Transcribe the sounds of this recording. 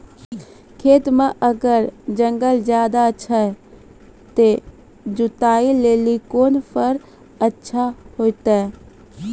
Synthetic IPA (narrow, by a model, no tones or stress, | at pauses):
kʰeːt̪mãʔəɡəɾd͡ʒə̃ŋɡəld͡ʒjaːd̪aətːʃʰaɦɛ | t̪e | d͡ʒʊt̪aːileːlikoːnpʰəɾ | ətːʃʰahoːit̪aɛ